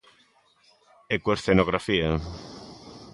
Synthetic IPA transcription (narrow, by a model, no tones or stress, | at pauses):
ekuesθenoɣɾafiɐ